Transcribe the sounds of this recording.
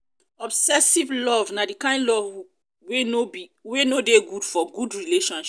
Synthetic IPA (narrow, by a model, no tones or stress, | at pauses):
ɔbsɛsivlɔvnadikãɪ̃ndlɔv | wenoiwenodeɡudfɔɡudɹileʃɔ̃nʃ